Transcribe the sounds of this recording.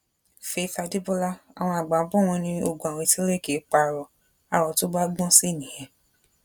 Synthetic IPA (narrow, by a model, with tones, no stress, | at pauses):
fe˦θa˧di˦bo˦la˦a̰˨w̃ɔ̃˧a˨ɡ͡bã˨˦bɔ̃˦w̃ɔ̃˧nĩ˧o˧ɡu˨a˨w̃ɔ̃˧ti˦le˦˨ke˨˦k͡pa˧˨ɾɔ˨ | a˨ɾɔ˨to˦ba˦ɡ͡bɔ̃˦si˦˨nĩ˨jɛ̃˨